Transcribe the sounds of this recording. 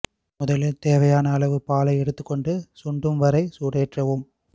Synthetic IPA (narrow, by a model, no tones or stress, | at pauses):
mʊðɐlɯt̪eːʋɐjaːnɐːlɐʋɯpaːlɐɪɛɽɯt̪ːɯkːɔɳɖɯsʊɳɖrɯmʋɐɾɐɪsuːɽeːʈrɐʋɯm